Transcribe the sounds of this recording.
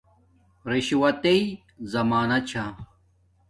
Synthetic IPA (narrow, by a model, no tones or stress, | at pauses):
ɾiɕwɐt̪ei | zɐmaːnɐt͡ɕʰa